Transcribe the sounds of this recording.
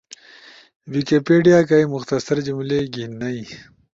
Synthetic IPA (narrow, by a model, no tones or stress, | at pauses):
wikepeɖijaːkajmʊxt̪ɐsɐɾd͡ʑumleɡinɐj